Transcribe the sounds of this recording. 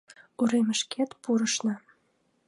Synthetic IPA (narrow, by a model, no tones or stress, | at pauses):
uɾeməʃket̪puɾəʃnɑ